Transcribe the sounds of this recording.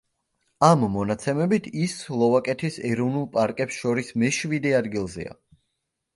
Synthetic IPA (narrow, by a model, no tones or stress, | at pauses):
amːɔnat̪sʰɛmɛbit̪ʰislˠɔvakʼɛt̪ʰisɛɾɔvnulˠpʼaɾkʼɛpsʃɔɾismɛʃvid̪ɛad̪ɡilˠzɛ̰a̰